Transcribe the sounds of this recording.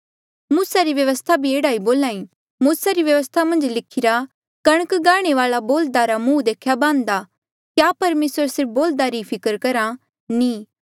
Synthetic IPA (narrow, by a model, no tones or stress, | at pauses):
muːsaɾiʋjɐʋəst̪ʰabʱieːɽaːiboːlãːĩ | muːsaɾiʋjɐʋəst̪ʰamɐ̃nd͡ʒlɪkʰɪɾa | kɐɽ̃əkɡaːɽ̃eʋaːlaboːld̪aɾamũːd̪eːkʰjabãːnd̪a | kjapɐɾmeːsəɾsɪɾp̚ʰboːld̪aɾipʰɪkəɾkɐɾa | nĩː